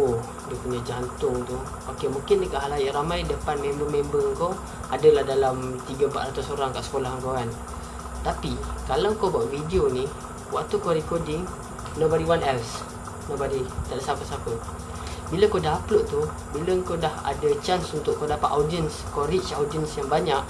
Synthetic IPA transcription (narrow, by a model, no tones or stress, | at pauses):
o | dəkunəd͡ʒant̪ʊŋt̪u | okemuŋkɪndəkaɦalajaɾamajdəpanmẽmbəmẽmbəŋko | adəlahdalamt̪iɡəmpa̰ʔrat̪usoɾaŋkaʔsə̥kolahɦŋkokan | t̪apikalawŋkobuaʔvidioni | waʔt̪ukoɾikodɪŋ | nobadiwanɛls | nobadit̪aʔdəsapəsapə | biləkodaɦaploʔt̪u | biləŋkodaha̰dət͡ʃansunt̪ʊʔkːodapat̪adiənskoɾit͡ʃawdiənsjaŋbaɲaʔ